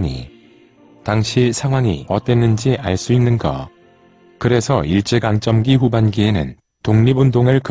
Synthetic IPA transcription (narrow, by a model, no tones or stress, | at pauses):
ɲḭ | taŋɕʰisʰaŋwaŋḭʌt͈we̞nːɯnd͡ʑiʔaɭs͈uinːɯnɡʌ̰ | kɯɾe̞sʰʌiɭt͡ɕ͈eɡaŋt͡ɕ͈ʌmɡiɸubanɡie̞nɯn | toŋɲibundoŋɯɭk